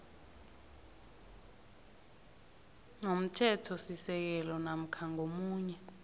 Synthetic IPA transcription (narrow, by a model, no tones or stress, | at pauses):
ŋom̩tʰɛtʰɔsisɛk̬ɛlɔnam̩kʰaŋomuːɲɛ